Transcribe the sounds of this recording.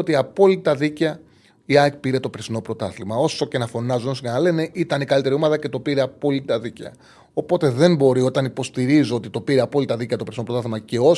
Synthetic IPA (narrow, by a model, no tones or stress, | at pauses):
ot̪iɐpo̞lit̪ɐðicɐ | iɐpiɾe̞t̪o̞pɾesino̞pɾo̞t̪ɐθlimɐo̞so̞ce̞nɐfo̞nɐzunoscenɐle̞ne̞ʔit̪ɐnikɐlit̪e̞ɾio̞mɐðɐce̞t̪o̞piɾe̞ɐpo̞lit̪ɐðicɐ̰ | o̞po̞t̪e̞ðe̞mbo̞ɾio̞t̪ɐnipo̞st̪iɾizoo̞t̪it̪o̞piɾeɐpo̞lit̪ɐðiceɐt̪opɾesino̞pɾot̪ɐθimɐce̞o̞